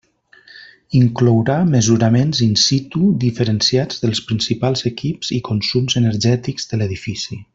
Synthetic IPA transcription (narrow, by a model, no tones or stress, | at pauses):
iŋklɔwɾaməzuɾəmenzinsit̪uðifəɾənsiad͡zðəlˠspɾinsipalˠzəkipz̥ikunsumzənəɾʒɛt̪ikzðələðifisi